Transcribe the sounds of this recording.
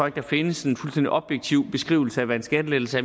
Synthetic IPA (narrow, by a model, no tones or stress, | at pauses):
ɒ̰̽ɡ̥̚d̥ɑ̈fe̝nəse̝nfulsd̥end̥iʔɒ̽b̥jeɡ̥̚t͡sʰiʊ̰b̥e̝sɡ̥ʁḭːʊl̩səæʋæænsɡ̥ædəle̥ːl̩sæ